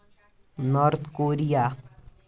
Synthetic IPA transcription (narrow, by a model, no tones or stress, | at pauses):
nɔɾt̪ʰkoːɾija